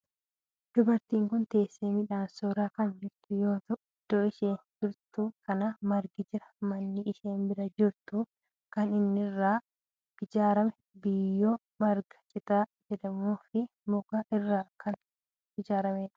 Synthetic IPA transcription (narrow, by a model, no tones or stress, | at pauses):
d̪̥ʊbɐɾt̪iːŋkʊnt̪e̞ːsːeːmɪᶑaːnsoːɾaːkɐnd͡ʒɪɾt̪ʊjoːt̪ɐʔ | d̪̥ɔːɪʃeːnd͡ʒɪɾt̪ukɐnɐmɐɾɡɪd͡ʒɪɾɐmɐnːɪɪʃeːnbɪɾɐd͡ʒɪɾt̪ʊ | kɐnɪnːɪrːaː | ɡ̥ɪd͡ʒaːɾɐmɛ | bɪjːo | mɐɾɡɐ̥t͡ʃʼɪt̪aːd͡ʒɛᶑɐmoːfɪ | mʊɡɐʔɪrːaːkɐn | ɪd͡ʒaːɾɐmeːᶑɐ̥